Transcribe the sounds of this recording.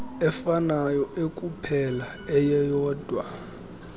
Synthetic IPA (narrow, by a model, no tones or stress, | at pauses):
ɛfanajɔʔekʼupʰɛla | ɛjɛjɔːd̥ʱwa